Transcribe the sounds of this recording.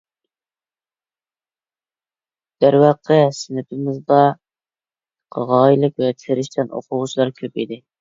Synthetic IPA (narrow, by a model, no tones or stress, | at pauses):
d̪̥æɾwɑqʰəsɪnɪpʰɪmɪzd̪ɑ | qʰɑʁɑːjilˠɪkʲwɛt̪ʰɪɾɪʃt̪ʰɛno̰qʰʊʁʊt͡ʃʰlˠɑɾkʲʰøpid̪ɪ